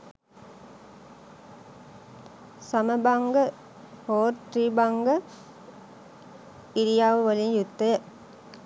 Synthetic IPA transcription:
sɐməbaŋɡə | hoːɾt̪ɾiːbaŋɡə | iɾijaːʋəʋɐlinjut̪ːɐjə

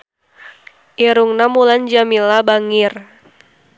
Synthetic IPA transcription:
ʔiɾuŋnamuland͡ʒamilabaŋir

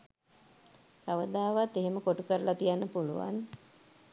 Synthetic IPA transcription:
saʋəd̪aːʋat̪ːeɦeməkoʈukəɾəlat̪ijanːəpulṵʋa̰n

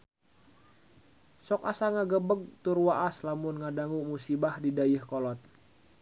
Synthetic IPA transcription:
sɔkasaŋaɡəbəɡ̚t̪urwaʔaslamʊnŋadaŋumusibahdidajəhkɔlɔt̪̚

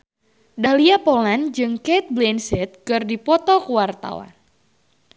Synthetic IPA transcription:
daliapoland͡ʒɨŋkɛt̪̚blɛnsɛt̪̚kɨrdipɔt̪ɔkuwart̪a̰wa̰n

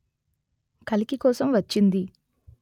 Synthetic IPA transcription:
kɐlikikɔːsɐmʋɐt͡ʃːind̪i

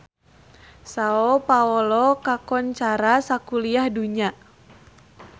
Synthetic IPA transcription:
saɔpaɔlɔkakɔɲt͡ʃaɾasakuliahduɲa

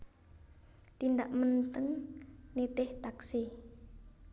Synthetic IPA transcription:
t̪ind̪aʔmənt̪əŋnet̪ɪht̪aksi

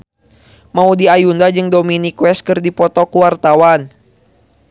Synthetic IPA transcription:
maudiajundad͡ʒɨŋdominikwɛs̚kɨrdipɔt̪ɔkuwart̪awan

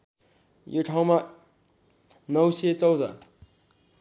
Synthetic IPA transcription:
joʈʰaw̃ma | nʌwset͡sʌwd̪ʌ

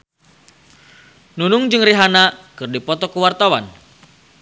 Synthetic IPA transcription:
nunʊŋd͡ʒɨŋriɦanakɨrdipɔt̪ɔkəwart̪awan

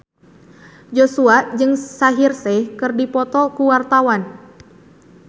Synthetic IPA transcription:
d͡ʒosuad͡ʒɨŋsaɦirsɛkɨrdipɔt̪ɔkuwart̪awan

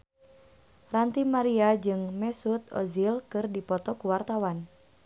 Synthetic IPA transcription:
rant̪imaɾiad͡ʒɨŋmɛsut̪̚ɔ̰zilkɨrdipɔt̪ɔkuwart̪awan

